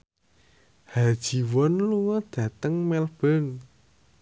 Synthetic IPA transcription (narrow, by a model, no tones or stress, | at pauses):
had̥ʒ̥i̤wɔnluŋɔd̪̥ä̤t̪əŋmɛlb̥ən